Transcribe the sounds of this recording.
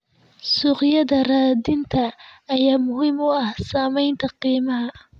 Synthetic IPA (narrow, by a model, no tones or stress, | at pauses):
sʊqjɐðɐraːd̪ɪnt̪ʰɐːjaːmʊɦiːmʊɐhsaːmɛjnt̪ʰɐqiːmɐɦɐ